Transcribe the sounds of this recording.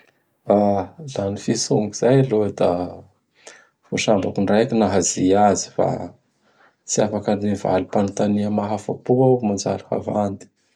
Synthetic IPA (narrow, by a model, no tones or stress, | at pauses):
alanifisuŋɡuz̥ajlod̪a | foʃambakunrajkinaɦaziazi̥fa̰ | t͡siafakaniva̰lupanat̪aniəmaɦafa̰puawmand͡ʒa̰laha̰vand̪i̥